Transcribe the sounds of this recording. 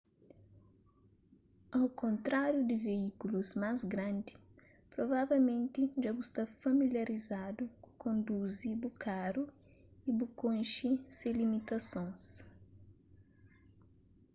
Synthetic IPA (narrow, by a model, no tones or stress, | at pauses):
awkõnt̪ɾaɾjud̪ɪveikuluzmazɡɾɐ̃nd̪i | pɾovavewmẽnt̪ɪʒabust̪afamiljaɾizad̪ukkʰõnd̪uzibukʰaɾu | ibukõjʃiselimit̪ɐsõjs